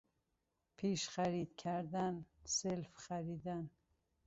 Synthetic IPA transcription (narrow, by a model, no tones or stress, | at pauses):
pʰiːʃχæɾid̪kʰæɾd̪ænselfχæɾiːd̪æn